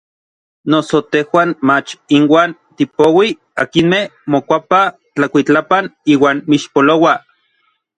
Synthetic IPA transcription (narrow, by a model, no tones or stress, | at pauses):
nosot̪ehwaːnmat͡ʃinwaːnt̪ipowi | akinmehmokʷapa | t͡ɬakʷit͡ɬapaniːwaːnmiʃpolowa